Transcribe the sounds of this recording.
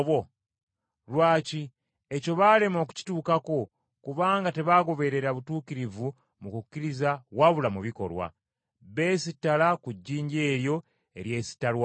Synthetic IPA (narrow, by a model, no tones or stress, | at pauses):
βo | ɾwaːci | eco̞βaːle̞mo̞ːku̥ci̥tuːkako̞ | kuβaːŋɡate̞βaːɡo̞βe̞ɾe̞ɾaβutuːkiɾivu | mukukːiɾizawaβulamuβiko̞̰ɾwa̰ | βe̞ːsitːalakuɟːiːɲɟe̞ːɾjo̞ | e̞̰ɾje̞ːsi̥tːalwa